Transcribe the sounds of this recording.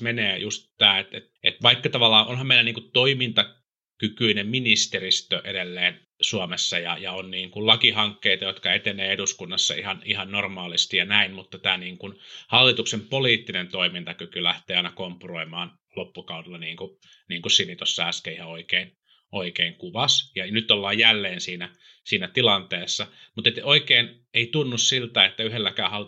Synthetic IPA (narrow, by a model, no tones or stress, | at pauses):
meneːjust̪t̪æːet̪et̪ʔet̪ʋɑikːɑt̪ɑʋɑlːɑːʔonhɑmeilæniːŋkut̪t̪oimint̪ɑ | kykyineminist̪erist̪øʔedelːeːn | suɑmesːɑjɑjɑonniːŋkullɑkihɑŋkːeit̪ɑjot̪kɑet̪eneːeduskunːɑsːɑ̰ḭhɑnihɑnnormɑːlist̪ijɑnæinmut̪ːɑt̪æːniːŋkunhɑlːit̪uksempoliːt̪ːinent̪oimint̪ɑkykylæht̪eːɑinɑkompuroimɑːn | lopːukɑudelːɑniːŋku | niːŋkussinit̪osːɑæskeihɑoikein | ʔoikeiŋkuʋɑsjɑnyt̪ːolːɑːjjælːeːnsiːnæ | siːnæt̪ilɑnt̪eːsːɑ | mut̪et̪oikeːn | eit̪unːussilt̪æet̪ːæyɦelːækæːhɑl